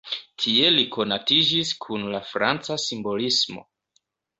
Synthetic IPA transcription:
tʰie̞likʰo̞natid͡ʒiskʰunlafɾa̰nt͡sasimbo̞lismo̞̰

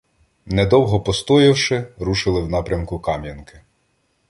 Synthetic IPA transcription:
nɛd̪ɔwɦɔpɔst̪ɔjɐwʃɪɾuʃɪlˠɪwnɑpɾʲɐmkʊkɑmjɐnkɪ̥

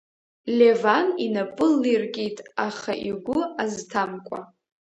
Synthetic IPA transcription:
lʲevaninapʼɨlːirkʲʼitʼaχa̰ʔiɡʷʊaztʰamkʷʼa

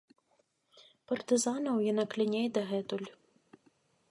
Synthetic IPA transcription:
pɐrt̪ɨzanɐwjinaklʲinʲɛjd̪ɐɣɛt̪ulʲ

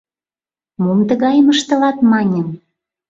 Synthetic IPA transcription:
mumt̪ə̆ɣɑjəməʃt̪ɤ̆lɑt̪mɑnʲə̆m

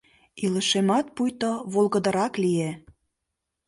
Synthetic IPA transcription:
ilə̆ʃemɑt̪̚pujt̪oβolɣə̆d̪ə̆ɾɑklie

